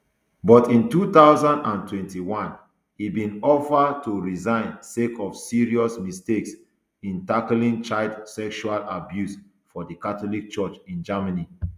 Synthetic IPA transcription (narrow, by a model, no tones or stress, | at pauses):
bɔtĩntut̪aʊzãndãntwɛ̃ntiwãn | hibĩnɔfətuɹizãɪ̃nsekɔfsiɹiɔsmisteks | ĩntaklĩŋt͡ʃaɪldsɛkʃualabjus | fɔdəkatɔlik̚t͡ʃɔt͡ʃĩnd͡ʒamani